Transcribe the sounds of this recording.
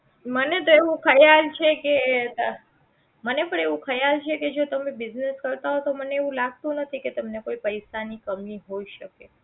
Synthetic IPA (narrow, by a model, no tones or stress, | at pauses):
mənet̪oeʋũkʰəjalt͡ʃʰeke | mənepəɳeʋũkʰəjalt͡ʃʰeked͡ʒot̪əmebɪzneskəɾt̪aɦot̪oməneeʋũlaɡ̚t̪ũnət̪ʰiket̪əmnekoipəjsanikəmĩɦoiʃəke